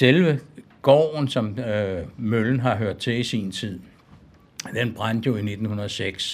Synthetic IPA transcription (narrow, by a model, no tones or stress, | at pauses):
selʋə | ɡ̥ɒ̰ːnsɒ̽m | møln̩ɦɑ̈ɦøɐ̰d̥̚t͡sʰe̝isiːnt͡sʰið̰ˠ | d̥enb̥ʁan̰d̥jo̝ine̝d̥n̩hunɐðˠseɡ̥s